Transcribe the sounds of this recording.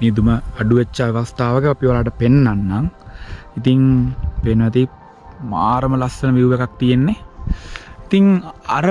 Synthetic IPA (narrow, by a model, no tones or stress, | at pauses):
meːd̪uməaɖuʋet͡ʃːaʋast̪aːʋəkəapiʋalaːʈ̬əpenːanːaŋit̪iŋpenʋæt̪̬i | ma̰ːɾəməlasənəʋiuʋekak̚t̪ijenːe | it̪iŋaɾə